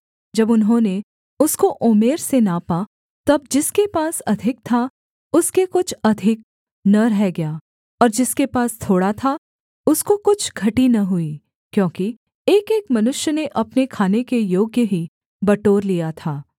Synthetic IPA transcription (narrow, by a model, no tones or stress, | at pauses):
d͡ʒɐbʊnɦõːne | ʊskoʔoːmeːɾsenapaː | t̪ɐbd͡ʒɪskepaːsɐd̪ʱɪk̚t̪ʰa | ʊskekʊt͡ʃʰɐd̪ʱɪk̚ | nɐɾɛɦɛɡɐjaː | ɔːɾd͡ʒɪskepaːst̪ʰoːɽat̪ʰa | ʊskokʊt͡ʃʰɡʱɐʈinɐɦʊi | kjõːki | eːkeːkmɐnʊʃjəneʔɐpnekʰaːnekejoːɡjəɦi | bɐʈoːɾlijat̪ʰaː